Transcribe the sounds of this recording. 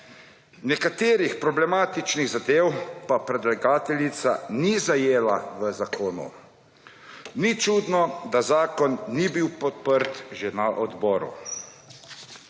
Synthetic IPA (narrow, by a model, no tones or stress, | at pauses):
nɛkat̪eːɾixpɾɔblɛmaːt̪it͡ʃniɣzad̪eːwpapɾɛd̪laɡaːt̪ɛlit̪sa̰nizajeːlaʋəzakʰoːnṵ | nit͡ʃud̪nɔd̪azaːkɔnːibiwpɔt̪̚pəɾt̪ʒɛnaʔɔd̪bɔːɾṵ